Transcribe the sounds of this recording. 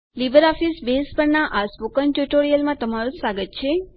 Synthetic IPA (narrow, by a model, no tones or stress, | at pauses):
libəɾɔfisbespəɾnaʔaspokənʈjuʈoɾijəlmãt̪əmaɾũsaɡət̪t͡ʃʰe